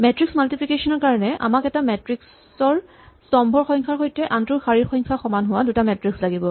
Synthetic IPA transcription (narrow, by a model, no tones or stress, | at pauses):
mɛtɹiksmaltipʰikesɔnɔɹkaɹɔnɛʔa̰makɛtamɛtɹiks | ɔɹ | sɔmbʱɔɹxɔjŋkʰaɹxojtɛʔantuxaɹiɹxɔjŋkʰaxɔmanɦʊwadutamɛtɹikslaɡibɔ